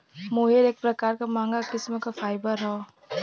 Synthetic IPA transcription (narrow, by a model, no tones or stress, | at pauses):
moːɦiɾeːk̚pɾɐkaːɾkamãːŋɡakɪsmõkafaːɪbəɾɦɔ